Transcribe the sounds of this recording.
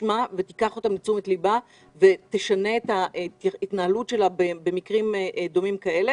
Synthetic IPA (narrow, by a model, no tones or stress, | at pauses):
mavet̪ikaχo̞t̪amlit͡sumet̪liba | ve̞t̪eʃane̞ːthaʔit̪nahalutʃe̞labebe̞mikʁimd̪o̞mimkaele